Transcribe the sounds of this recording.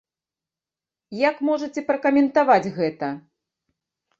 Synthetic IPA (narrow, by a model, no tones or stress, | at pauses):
jakmɔʐɐt͡sʲɛpɾɐkɐmʲɛnt̪avad͡zʲɣɛt̪ɐ